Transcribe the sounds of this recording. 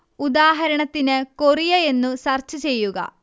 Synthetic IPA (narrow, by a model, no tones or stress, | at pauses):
ud̪aːɦɐɾɐɳɐt̪ːinɨkorijɐe̞nːusɐrt͡ɕːut͡ɕe̞jːuɡɐ̰